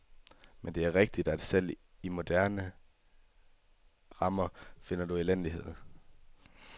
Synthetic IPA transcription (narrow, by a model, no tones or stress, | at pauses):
mend̥e̝æɐʁeɡ̥̚d̥id̥æd̥sel̰imo̝d̥æɐ̰nə | ʁɑ̈mɐfe̝n̰ɐd̥uilen̰liɦe̝ð̰̩ˠ